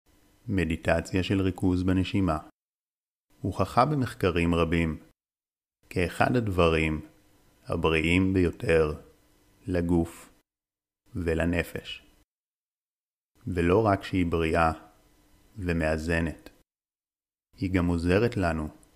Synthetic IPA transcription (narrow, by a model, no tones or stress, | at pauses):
me̞ditat͡sjaʃe̞lʁikuzbeneʃima | huχaχabeme̞χkaʁimʁabim | keːχa̰dhadvaʁim | ha̰bʁiʔimbejo̞tʰe̞ʁ | laɡuf | velane̞fe̞ʃ | velo̞ʁakʃehibʁiʔa | veme̞aze̞ne̞t | hiɡamo̞ze̞ʁetlanu